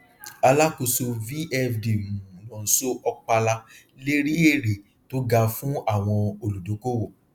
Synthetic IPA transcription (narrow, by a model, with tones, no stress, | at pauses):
a˧la˦ko˧so˧vi˦ɛ˦fdi˨mũ˨lɔ̃˨n̩˨so˦ʔɔ˧k͡pa˧la˧ | le˦ɾi˦e˦˨ɾe˨ | to˦ɡa˧fũ˦a˦˨w̃ɔ̃˧o˨lu˨do˨˦ko˦wo˦˨